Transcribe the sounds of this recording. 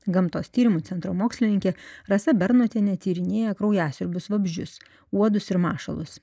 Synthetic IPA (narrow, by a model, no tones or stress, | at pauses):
ɡɐmt̪o̰ːst̪ʲiːɾʲɪmuːt̪sʲɛnt̪ɾoːmoːksʲlʲɪnʲɪŋʲkʲeɾɐsɐbʲɛɾnoːt̪ʲeːnʲɛt̪ʲiːɾʲɪnʲeːjɛkɾɒʊjæːsʲɪɾʲbʲʊsʋɐbʲʒʲd͡ʒʲʊs | uɔd̪ʊsɪɾmɑːʃɐ̰lˠʊ̰s